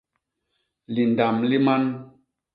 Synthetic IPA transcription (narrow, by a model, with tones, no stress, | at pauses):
li˨nda˨mli˦ma˦n